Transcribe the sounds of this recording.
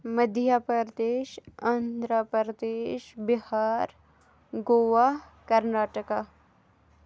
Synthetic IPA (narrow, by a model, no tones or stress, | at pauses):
məd̪ʱjapəɾd̪eːʃɐnd̪ʱɾəpɾəɾəd̪eːʃbɪhaːɾ | ɡoːʋaɦ | kɐɾnaːʈəka